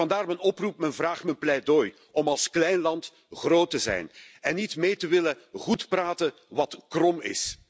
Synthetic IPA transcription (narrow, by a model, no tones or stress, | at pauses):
ɑndaːrmənɔprup̚mənvraːχtmənplɛdoːj | ɔmɑlˠsklɛjnlɑnt | ɣroːtəzɛ̰jn | ɛnːitmeːjtəʋɪlə | ɣutpraːtən | ʋɑtkrɔmɪ̰s